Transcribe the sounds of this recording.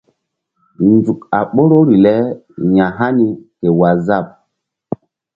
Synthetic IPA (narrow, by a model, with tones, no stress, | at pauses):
nd͡zu˨ka˨ɓo˦ɾo˦ɾi˨lɛ˦ | ɲã˨ɦa˦ni˨ke˨wa˨za˦˨p̚